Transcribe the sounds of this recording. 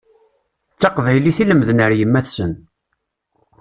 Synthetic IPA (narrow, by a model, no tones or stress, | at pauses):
t͡sːɑqvæjliθiləmðnəɾjəmːæθsən